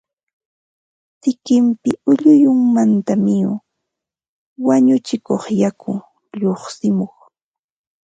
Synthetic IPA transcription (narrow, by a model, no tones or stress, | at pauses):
t̪ɪkɪmpɪʊʎʊjʊŋmant̪amɪjʊ | waɲʊt͡ʃɪkoχjakʊ | ʎoχsɪmoχ